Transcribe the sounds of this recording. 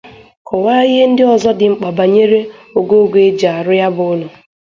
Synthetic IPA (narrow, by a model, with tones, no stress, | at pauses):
kɔ˨waː˦i˦ɦe˦n̩˦dɪ˦ɔ˨zɔ˦dɪ˨ŋ͡m̩˨k͡pa˨ba˨ɲe˦ɾe˦o˨ɡo˦ɡe˨e˦d͡ʒa˨a˨ɾʊ˦ja˦bʊ˨ʊ˦lʊ˨